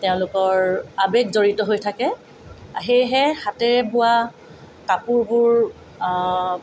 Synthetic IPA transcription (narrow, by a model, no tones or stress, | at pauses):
tɛʊ̃lʊkɔɹabɛkzoɹitɔɦojtʰakɛ | aɦejɦɛxatɛbʊa | kapʊɹbʊɹ